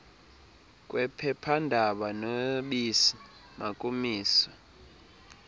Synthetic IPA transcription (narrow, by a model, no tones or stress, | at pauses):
kʼwɛpʰɛpʰandʱaɓanoɓisi | makʼumiːswɔ